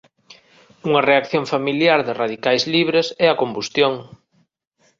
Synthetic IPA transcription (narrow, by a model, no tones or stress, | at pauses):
uŋɐreakθjoŋfamiljaɾðɪraðikajzliβ̞ɾesɛɐkombust̪joŋ